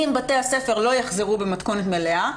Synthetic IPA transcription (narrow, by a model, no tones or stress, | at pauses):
imbateasefe̞ʁlo̞jaχzeʁubemat̪ko̞net̪melea